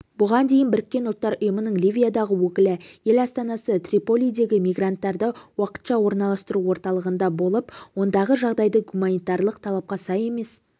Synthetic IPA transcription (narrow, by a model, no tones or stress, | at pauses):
bʊʁɑnd̪e̞jɪnbɪɾɪkʲːe̞nʊlˠt̪ːɑɾʊjəmənəɴlivʲijad̪ɑʁəwɵkʲɪlɪje̞lɑst̪ɑnɑsət̪rʲipo̞lʲijd̪e̞ɡʲɪmijɡrant̪ːɑɾd̪əwɑqə̥t̪ʃɑwo̞ɾnɑlˠɑst̪əɾuwo̞ɾt̪ɑlˠəʁənd̪ɑbo̞lˠəpwo̞nd̪ɑʁəʒɑʁd̪ɑjd̪əɡumanijt̪ɑrlˠəq̚t̪ʰɑlˠɑp̚qɑsɑje̞me̞s